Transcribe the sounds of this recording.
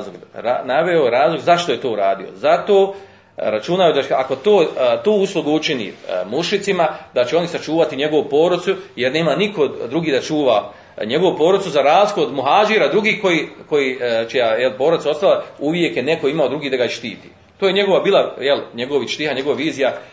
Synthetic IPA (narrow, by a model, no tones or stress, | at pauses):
loɡanaʋeojɾaːzlˠoɡzaʃt̪o̞je̞t̪o̞ːuɾaːd̪io̰zat̪o̞ː | ɾat͡ʃunajod̪aako̞t̪oːt̪uːuslˠuɡuut͡ʃinḭːmuʃit̪simad̪at͡ɕeo̞nisat͡ʃuːʋat̪iɲe̞ɡo̞ʋupo̞ːɾot̪sujeɾne̞ːmanikʰo̞d̪ɾuɡiːd̪at͡ʃuːʋa | ɲe̞ɡo̞ʋupo̞ːɾot̪suzaɾaːzlikood̪muɦaːd͡ʒiɾad̪ɾuɡiːko̞jiːko̞jiːt͡ʃijajelpo̞ːɾot̪sao̞st̪alˠauʋje̞kjene̞ko̞imaod̪ɾuɡiːd̪aɡaiʃt̪iːt̪ḭː | t̪oːje̞ɲe̞ɡo̞ʋabiːlˠajelɲeɡoʋiʃt̪ihaɲe̞ɡoʋaʋiːzija